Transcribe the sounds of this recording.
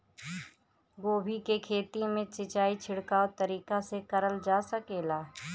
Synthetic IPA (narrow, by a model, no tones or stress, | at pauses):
ɡoːbʱikekʰeːt̪imẽt͡ʃɪt͡ʃaːit͡ʃʰɪɽkaːot̪əɾiːkasekəɾəld͡ʒaːsəkeːlaː